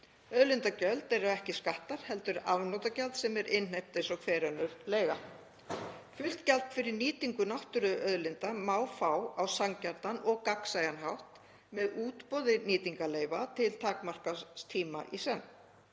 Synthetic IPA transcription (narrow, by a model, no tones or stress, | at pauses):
œðlɪnt̪acœlt̪ɛɾawɛhcɪskaht̪aɾ̥hɛlt̪ʏɾavnɔt̪acalt̪sɛmɛɾɪnh̪ejp̚t̪ɪsɔkʰvɛːɾœnːʏɾleːjɣa | fʏl̥t̪calt̪fɪɾɪɾniːt̪iŋkʏnawht̪ʏɾʏʔœðlɪnt̪amaːwfawawsaŋcaɾt̪anɔɣkaksajanɦawht̪ | mɛðuːt̪pɔðɪniːt̪iŋkaleːjvat̪ʰɪlt̪ʰaːkmar̥kast̪ʰiːma̰ʔisɛn